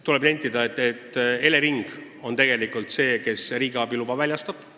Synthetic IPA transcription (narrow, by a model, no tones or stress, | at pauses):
t̪ule̞b̥nenʲt̪ːid̪ɑet̪ːˑet̪ːe̞le̞ɾiŋɡ̥ | o̞nt̪e̞ɡ̥e̞likˑult̪se̞ːke̞sriːɡ̥ɑbilubɑvælʲjɑst̪ɑb̥